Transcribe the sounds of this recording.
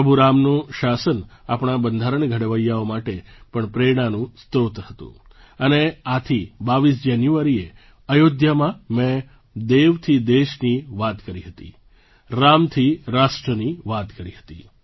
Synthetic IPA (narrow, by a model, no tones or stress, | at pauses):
əbʱuɾamnũʃasənapɳ̃abənd̪ʱaɾəɳɡʱəɽʋəjaomaʈepəɳpɾeɽ̃anũst̪ɾot̪ɦət̪ṵ̃ | əneat̪ʰibaʋis̬d͡ʒanjuaɾie | əjod̪jamãmẽ | d̪eʋt̪ʰid̪eʃniʋat̪kəɾiɦət̪ḭ | ɾamt̪ʰiɾaʃʈɾəniʋat̪kəɾiɦət̪ḭ